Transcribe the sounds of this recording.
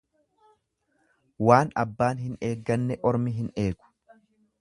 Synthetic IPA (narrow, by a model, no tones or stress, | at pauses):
waːnɐ̰bːaːnɦɪne̞ːɡːɐnːɛʔɔɾmɪɦɪneːɡʊ̥